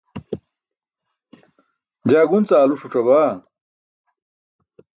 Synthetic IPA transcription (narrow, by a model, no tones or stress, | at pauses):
d͡ʑaːɡunt͡saːluʂuʈ͡ʂɐβaː